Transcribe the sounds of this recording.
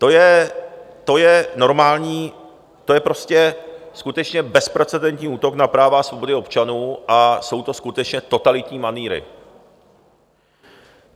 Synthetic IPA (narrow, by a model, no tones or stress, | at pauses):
t̪o̞jɛ | t̪o̞jɛno̞ɾmaːlɲiː | t̪o̞jɛpɾo̞scɛskut̪ɛt͡ʃɲɛbɛspɾɛt͡sɛdɛnt̪ɲiːuːt̪o̞knapɾaːvasvo̞bo̞dɪo̞pt͡ʃanuːʔaso̞wt̪o̞skut̪ɛt͡ʃɲɛt̪o̞t̪alɪt̪ɲiːmaniːɾɪ̰